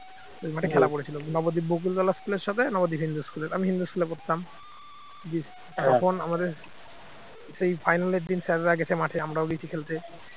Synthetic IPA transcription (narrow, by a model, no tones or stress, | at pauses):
ojmaʈʰekʰɛlapoɽet͡ɕʰilonɔbod̪ibok̬ult̪ɔlaskuleɾʃɔt̪ʰenɔbod̪iɦind̪uskuleɾamiɦind̪uskulepoɾt̪t̪ːam | d͡ʑi | t̪ɔkʰonamad̪eɾ | sejpʰajnaleɾd̪insɛɾɾaɡɛt͡ɕʰemaʈʰeamɾaoɡit͡ɕʰikʰelt̪ʰe